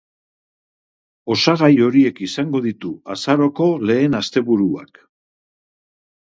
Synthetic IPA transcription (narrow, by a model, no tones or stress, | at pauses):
o̞saɣajo̞ɾie̞kisaŋɡo̞ðit̪uasaɾo̞ko̞le̞ːnast̪e̞βuɾua̰k